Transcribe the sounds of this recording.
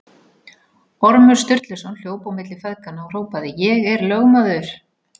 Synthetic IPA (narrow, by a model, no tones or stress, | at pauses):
ɔɾmʏɾ̥st̪ʏɾ̥t̪lɪsawnl̥joːwpawmɪt̪lɪfɛðkanːaɔr̥oːwpaðɪjɛɣɛɾlœɣmaðʏɾ̥